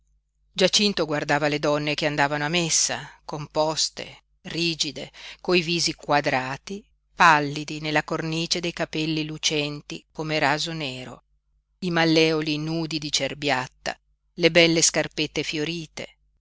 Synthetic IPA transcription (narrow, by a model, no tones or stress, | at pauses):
d͡ʒat͡ʃint̪oɡward̪aːvaled̪ɔnːekeand̪aːvanoamesːa̰kompɔst̪ḛ | riːd͡ʒid̪ekoiviːzikwad̪ɾaːt̪i | palːid̪inelːakorniːt͡ʃed̪ejkapɛlːilut͡ʃɛnt̪ikomeɾaːzoneːɾo̰ | imalːɛːolinuːd̪id̪it͡ʃerbjat̪ːa̰ | lebɛlːeskarpet̪ːefjoɾiːt̪ḛ